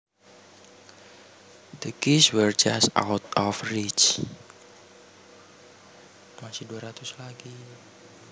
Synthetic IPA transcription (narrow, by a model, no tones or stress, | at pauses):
d̪̥əkiswɛrd͡ʒast̪ʔa̰wt̪ɔfrit͡ʃ | masɪhduaɾat̪ʊslaɡi